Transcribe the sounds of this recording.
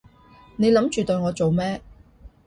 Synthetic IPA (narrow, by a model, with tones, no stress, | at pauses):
ne˨˧jlɐ˨˥mt͡ʃyː˨t̪ɵ˧jŋɔː˨˧t͡so˨wmɛː˥